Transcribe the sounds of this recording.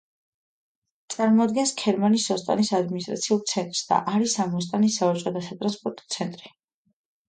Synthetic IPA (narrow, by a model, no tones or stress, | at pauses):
t̪sʼaɾmɔad̪ɡɛnskʰɛɾmanisɔst̪ʼa̰nisad̪minis̬t̪ʼɾa̰t̪sʰiulˠt̪sʰɛnt̪ʼɾsd̪̥a̰ʔaɾisamɔst̪ʼanisaɔt͡ʃʼqʼɛd̪asat̪ʼɾanspʼɔɾt̪ʼɔ̥t̪sʰɛnt̪ʼɾi